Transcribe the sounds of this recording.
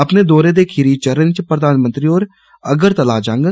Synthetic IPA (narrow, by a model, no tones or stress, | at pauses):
ɐpned̪oːɾed̪ekʰiɾiːt͡ʃəɾənt͡ʃpɾəd̪aːnmə̃nt̪ɾiɔːɾ | ɐɡəɾt̪ɐlaːd͡ʒãːŋɡə